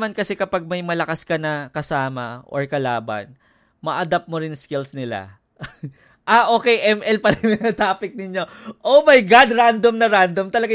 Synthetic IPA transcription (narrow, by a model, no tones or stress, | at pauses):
mankɐsɛkɐpaɡ̚mɐjmɐlɐkaskɐnɐkɐsaːmɐ̰ʔo̰ɹkɐlaːbɐ̰n | mɐʔɐd̪ap̚moɾɪnskɪlsnɪla̰ | ʔaʔo̞ːkɛjʔɛmʔɛlpɐɾɛmɐnɐt̪aːpɪk̚nɪɲjo̞ | ʔomɐjɡad̪ɾand̪omnɐɾand̪omt̪ɐlɐɡa